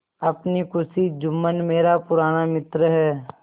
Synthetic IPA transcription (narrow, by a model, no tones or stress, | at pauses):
ɐpnikʊsid͡ʒʊmːənmeːɾapʊɾaːnamɪt̪ɾəɦɛː